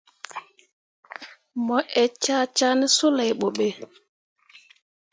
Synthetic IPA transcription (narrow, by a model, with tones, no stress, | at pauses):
mɔ˨˦ʔɛ˨t͡ʃa˦˨t͡ʃa˦nɛ˦su˦la˨jɓɔ˨ɓe˨